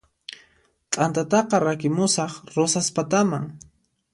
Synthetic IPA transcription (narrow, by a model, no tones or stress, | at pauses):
t̪ʼant̪at̪ɑqɑɾakɪmʊsɑχɾosaspat̪amaŋ